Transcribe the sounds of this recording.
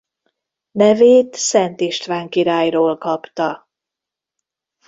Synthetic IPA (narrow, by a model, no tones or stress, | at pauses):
nɛveːt̪sɛnt̪iʃt̪vaːŋkiɾaːjroːlkɒpt̪ɒ